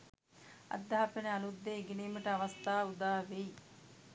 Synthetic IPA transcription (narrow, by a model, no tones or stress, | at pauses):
ɐ̰d̪ːaɦapeneanud̪ːeːɡeniːməʈəaʋɐst̪aːud̪aːʋej